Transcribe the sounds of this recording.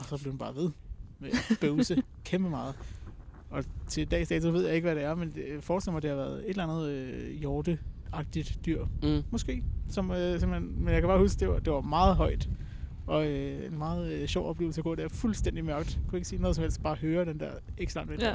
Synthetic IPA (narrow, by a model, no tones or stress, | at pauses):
ɒ̽sɒb̥leɐhunb̥ɑ̈ːʋe̝ð̞ˠmeæb̥øʊsə | kʰemb̥əmɑ̈ːð̞̩ˠ | ɒ̽t͡sʰe̝d̥ɛ̰ːsd̥ɛ̰ːt͡sʰuʋe̝ð̰ˠjɑae̝ɡ̥əʋæɾeæɐmenfɒːd̥sel̰mɑ̈ɪd̥e̝hɑ̈ʋæɐð̩ˠe̝d̥lænð̞ˠøjɒːd̥əɑ̈ɡ̥̚d̥id̥ːyɐ̰mɒ̽sɡ̥e̝̰ːsɒ̽møse̝mhenmenjakʰæb̥ɑ̈ːhusɡ̥d̥e̝ʋɐd̥e̝ʋɑ̈mɑ̈ːð̩ˠɦɒ̽ɪd̥ | ʔɒ̽øenmɑ̈ːð̩ˠɕɒʊʔɒ̽b̥lḛːl̩səkɡɔ̰ːd̥eæɐfulsd̥en̰d̥imɶɐɡ̥əd̥kʰue̝ɡ̥siːno̽ːð̩ˠsmhelsd̥̚b̥ɑ̈ːɦøːɐd̥end̥eɐeɡ̥slɑ̈nʋe